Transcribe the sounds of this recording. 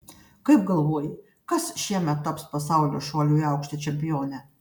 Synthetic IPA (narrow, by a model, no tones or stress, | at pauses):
kɐɪp̚ɡɐlˠʋoɔjɪ | kɐsʃʲiɛmʲɛt̪ːɐpspɐs̬ɑˑʊlʲoːʃoːlʲuːiɑʊkʃʲt̪ʲɐt͡ʃʲɛmʲpʲɪjoːnʲɛ